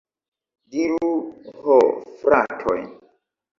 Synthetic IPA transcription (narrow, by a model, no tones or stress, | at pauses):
diɾuhofɾatʰo̰jn